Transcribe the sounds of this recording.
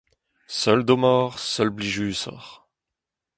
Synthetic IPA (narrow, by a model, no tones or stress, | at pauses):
sœld̪omɔʁsœlbliʒysɔ̰ʁ